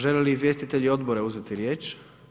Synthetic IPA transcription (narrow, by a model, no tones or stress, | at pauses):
ʒeleliːzʋje̞st̪it̪eʎio̞d̪boɾeuzet̪iɾjeːt͡ʃ